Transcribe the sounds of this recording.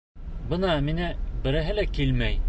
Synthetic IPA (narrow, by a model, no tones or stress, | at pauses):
bɤ̆nɑminæbɘ̆ɾæɦɘlækilmæj